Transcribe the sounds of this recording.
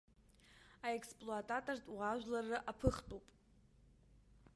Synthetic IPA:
aekspʼloatʼatʼortʼwaʒᶣʷlarɨʔapʰɨχtʼowpʼ

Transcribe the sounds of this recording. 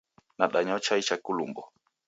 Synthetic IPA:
naɗaɲɔt͡ʃait͡ʃakulumbɔ

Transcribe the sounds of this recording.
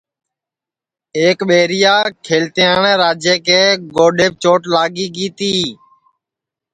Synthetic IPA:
eːkɓeːɾɪjaːkʰeːlt̪ejaːɳeːɾaːd͡ʒjeːkeːɡoːɖeːp̚t͡ʃoːʈlaːɠiːɡiːt̪iː

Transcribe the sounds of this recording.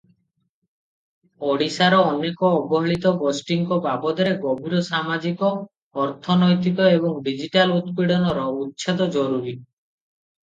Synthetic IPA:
oɽisaɾɔːnekɔːbɔɦɔɭit̪ɔɡosʈiŋkɔbabɔd̪ɔɾeɡɔbʱiɾɔsamad͡ʒikɔː | ɾt̪ʰɔnɔjt̪ikɔebɔŋɖid͡ʒiʈalut̪̚kiɽɔnɔɾɔut̪ːt͡ʃʰɔd̪ɔd͡ʒɔɾuɾi

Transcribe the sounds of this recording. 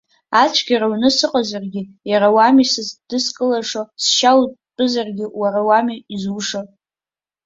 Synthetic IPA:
at͡ʃʷʰɡʲaɾaɥnɨsɨqʼazarɡʲɪ | jaɾawamisazd̥ɨskʼɨlaʂosʃawpʼɨzarɡʲɪwarawamiizuʂo

